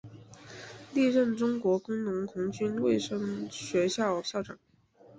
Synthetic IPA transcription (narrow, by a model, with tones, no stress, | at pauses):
li˥˧ɻə˥˩nʈ͡ʂʊ˥ŋkwɔ˧˥kʊ˥ŋnʊ˧˥ŋkʰʊ˧˥ŋt͡ɕy˥nwe˥˩ɪʂɤ˥ŋɕɥɛ˧˥ɕjɑ˥˩ʊɕjɑ˥˩ʊʈ͡ʂɑ˨˩˦ŋ